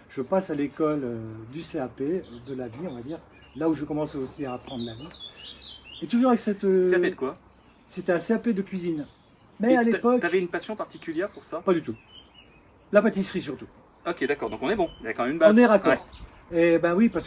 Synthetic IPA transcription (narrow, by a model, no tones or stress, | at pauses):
ʒ̥əpasalekɔlød̪yseaped̪əlaviɔ̃vad̪iːʁ | lauʒəkɔmɑ̃sosiaːpχɑ̃d̪ʁlavi | et̪uʒuʁavɛksɛt̪øeaped̪əkwa | set̪ɛãseaped̪əkʲɥizin | mɛalepɔk̪avɛynpasjɔ̃paʁt̪ikʲyljɛʁpuʁsapad̪yt̪u | lapat̪isχis̬yʁt̪u̥ | ɔkʲed̪akɔʁd̪ɔ̃kɔ̃nɛbɔ̃jakɑ̃mɛmynbaɔz̃nɛʁakɔʁ | ebawipaʁsə